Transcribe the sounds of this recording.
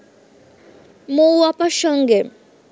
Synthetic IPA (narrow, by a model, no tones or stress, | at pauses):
mowapaʃɔŋɡe